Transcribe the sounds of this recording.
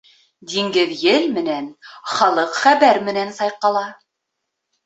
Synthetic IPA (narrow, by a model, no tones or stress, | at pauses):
d̪iŋɡɘðjɘlmɘ̆nænχɑlˠɤqχæβæɾmɘ̆nænsɑjqɑlˠɑ